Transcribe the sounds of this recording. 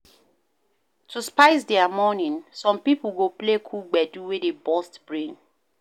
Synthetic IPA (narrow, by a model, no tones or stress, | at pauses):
tʰuspaɪs̬dɛamɔnĩnsɔ̃mpipl̩ɡoplekʰulɡ͡bɛduwedebɔstb̥ɹẽn